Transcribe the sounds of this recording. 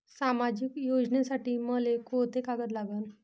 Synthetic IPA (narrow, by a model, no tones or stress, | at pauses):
samad͡ʑikjod͡ʑɳjesaʈiːməlekot̪ekaɡət̪̬laɡən